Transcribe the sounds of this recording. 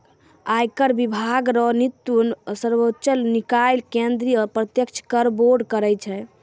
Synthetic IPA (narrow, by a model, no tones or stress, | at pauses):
ajkəɾbibʱaɡɾɔnit̪ːjunsəɾbotːt͡ʃəlnikajlkẽnd̪ɾiɔɾpɾət̪jəkt͡ʃʰkəɾboɾɖkəɾɛt͡ʃʰɛ